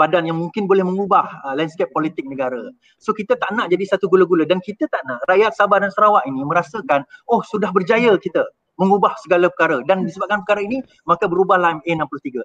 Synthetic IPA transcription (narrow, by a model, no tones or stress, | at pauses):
b̥adanjaŋmuŋkɪnbolɛhməŋubahəlɛnskepːolit̪ɪk̚nəɡaɾə̰ | sokit̪ət̪aʔənãʔd͡ʒadisat̪uɡuləɡulədankit̪ət̪aʔnãʔrajat̪̚sabadansəɾawaʔinimə̃ɾasəkanohsudahbərd͡ʒajəkit̪ə | məŋubahsəɡaləpəkaɾədandisəbap̚kanp̬əkaɾaini | makəbəɾubahlamɛnãmplut̪iɡə